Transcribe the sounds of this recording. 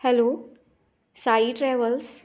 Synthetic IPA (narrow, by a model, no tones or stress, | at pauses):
hɛloː | saiʈɾɛːʋəls